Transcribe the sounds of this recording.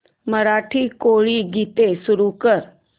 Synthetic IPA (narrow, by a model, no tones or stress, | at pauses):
məɾaʈʰiːkoɭiːɡʱit̪esuɾukəɾ